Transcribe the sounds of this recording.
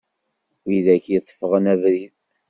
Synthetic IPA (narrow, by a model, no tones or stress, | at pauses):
iðækjət̪ˤːfəʁənæðɾið